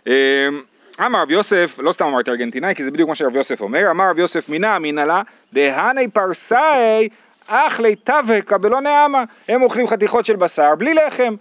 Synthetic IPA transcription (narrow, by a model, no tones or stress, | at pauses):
em | amaʁavjo̞se̞flo̞st̪amamaʁt̪iaʁɡe̞nt̪inajkizebid̪jukmaʃeʁavjo̞se̞fo̞̰me̞ʁamaʁavjo̞sefminaːminala | d̪eɦanejpaʁsaej | aχlejt̪avekabelo̞neama | hemoχlimχat̪iχo̞tʃe̞lbasaʁblileχe̞m